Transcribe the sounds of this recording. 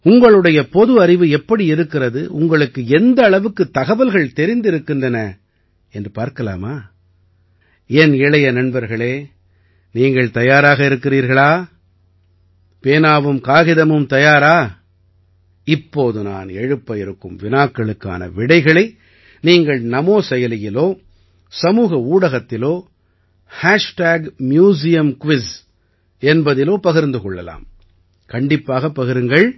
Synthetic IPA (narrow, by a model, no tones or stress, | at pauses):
ʊŋɡɐɭɯɽɐjɐpɔðɯɐɾɪʋɯɛpːɐɽiɪɾɯkːɪrɐðɯʔʊŋɡɐɭɯkːɯɛnd̪ɐːɭɐʋɯkːɯt̪ːɐɣɐʋɐlɣɐɭt̪ɛɾɪnd̪ɪɾɯkːɪndrɐnɐ | ɛndrɯpaːɾkɐla̰ːmaː | ɛnɪɭɐjɐnɐnbɐɾɣɐɭeː | niːŋɡɐɭt̪ɐjaːɾaːɣɐɪɾɯkːɪriːɾɣɐɭaː | peːnaːʋɯmkaːɣɪðɐmɯmt̪ɐjaːɾaː | ɪpːoːðɯna̰ːnɛɻɯpːɐɪɾɯkːɯmʋɪnaːkːɐɭɯkːa̰ːnɐ̰ʋɪɽɐɪɣɐɭɐɪ | niːŋɡɐɭnɐmoːsɛjɐlɪjɪloː | sɐmuːɣɐuːɽɐɣɐt̪ːɪloː | haːʂʈaːɡmjuːs̬ɪjɐmkʋɪs | ɛnbɐðɪloːpɐɣɪɾnd̪ɯkɔɭːɐla̰ːm | kɐɳɖɪpːaːɣɐpːɐɣɪɾɯŋɡɐɭ